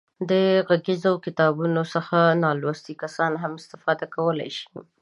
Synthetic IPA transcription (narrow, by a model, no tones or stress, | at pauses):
d̪əɣaɡezokɪt̪ɑbunosəxanɑlwast̪ikasɑnɦamɪst̪ɪfɑd̪akawəla̰jʃi̥